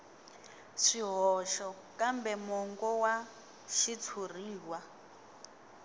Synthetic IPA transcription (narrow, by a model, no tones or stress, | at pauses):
ʂiɦɔʃɔ | kambɛmɔŋɡɔwa | ʃit͡sʰur̤iːwa